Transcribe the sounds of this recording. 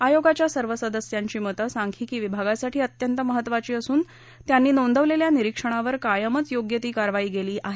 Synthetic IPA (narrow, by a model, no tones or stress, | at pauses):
ajoɡat͡ɕjasəɾʋəsəd̪əsjaɲt͡ɕiːmət̪əsaŋkʰiːkiːʋibʱaɡasaʈʰiːət̪jənt̪əməɦət̪ːʋat͡ɕiːəsuːn | t̪janːiːnond̪ʱəʋleljaniɾikʂəɳ̃aʋəɾkajəmət͡sjoɡjət̪iːkaɾʋaiːɡeliːʔaɦe